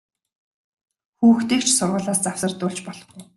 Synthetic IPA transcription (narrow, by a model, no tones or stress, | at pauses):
xuːxt̪eːkt͡ɕʰsʊrʁʊːɮaːst͡saw̥sə̆rt̪ʊːɮt͡ɕpɔɮɞ̆χi